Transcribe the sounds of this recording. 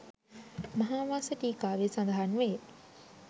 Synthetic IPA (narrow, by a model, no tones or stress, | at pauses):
mɐɦaːʋaːsəʈiːkaːʋesand̪əɦanʋe